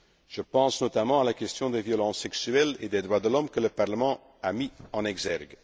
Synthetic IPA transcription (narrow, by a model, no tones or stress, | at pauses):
ʒ̥əpɑ̃snɔt̪amɑ̃alakɛst̪jɔ̃d̪evjɔlɑ̃sːɛksyɛlḛd̪ed̪ʁwad̪əlɔmkələpaʁləmɑ̃ | amiɑ̃nɛɡzɛʁɡ